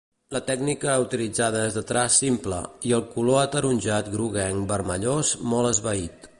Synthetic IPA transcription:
lət̪ɛɡnikəut̪ilid͡zað̞əezðət̪ɾasimplə̰iəlˠkuloət̪əɾunʲʒat̪ɡɾuɣɛŋbəɾməʎozmɔləzβəit̪

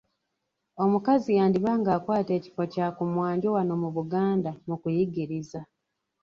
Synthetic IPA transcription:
o̞mukazijaːndiβaːŋɡaːkwaːte̞ːci̥fo̞caːkumwaːɲɟowano̞muβuɡaːndamukujiɡiɾiza

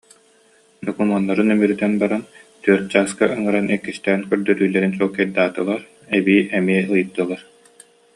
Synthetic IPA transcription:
d̪ɔkumɔnːɐɾɯnymyɾyt̪ɛnbaɾant̪yœɾt̪̚d͡ʑaːskaʔɯŋɯɾanɛkːist̪ɛːnkœɾd̪œɾyːlɛɾinsɔlˠkɛɾd̪aːt̪ɯlˠaɾ | ɛbiːʔɛmiɛɯjɯt̪ːɯlˠaɾ

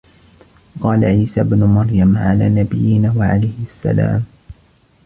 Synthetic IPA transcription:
qɑːla̰ʕiːsaːbnʊmɑɾˤjamʕalaːnabɪjːɪnaːwaʕa̰lajhɪasːa̰la̰ːm

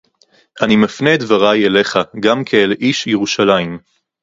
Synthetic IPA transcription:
ʔanimafned̪vaʁajele̞χaɡamkʰelʔiʃjeʁuʃalaim

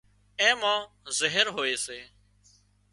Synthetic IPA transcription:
ẽːmãː | zəɦəɾɦoːeːseː

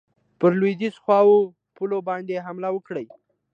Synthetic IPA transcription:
pəɾlwed̪izxwɑwo | pulobɑnd̪eɦamlawəkɽəj

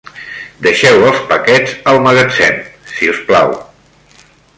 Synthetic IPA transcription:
d̪əʃɛwəlˠspəkɛzəlˠməɣət͡sɛ̰nsiuspla̰w

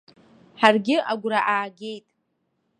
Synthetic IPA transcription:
ħarɡʲɪaɡʷɾaʔaːɡʲe̞jtʼ

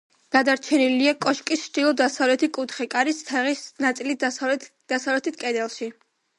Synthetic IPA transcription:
ɡ̥ad̪aɾt͡ʃʰɛniliakʼɔʃkʼist͡ʃʰd̪ilˠɔd̪asavlɛt̪ʰikʼut̪ʰχɛkʼaɾist̪ʰaʁisnat̪sʼilit̪ | d̪̥asavlɛt̪ʰit̪̚ʰkʼɛd̪ɛlˠʃi

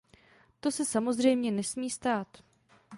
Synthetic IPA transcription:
t̪o̞sɛsamo̞zr̝ɛjmɲɛnɛsmiːst̪aːt̪

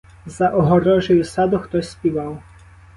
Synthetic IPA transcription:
zɐʔɔɦɔɾɔʒʊjʊsɑd̪ʊxt̪ɔsʲsʲpʲiʋɑw

